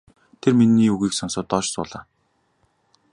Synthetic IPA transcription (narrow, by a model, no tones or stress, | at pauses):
t̪ʰerminːiːuɣiːksɔnsʊːt̪ɔt͡ɕsʊ̰ːɮaː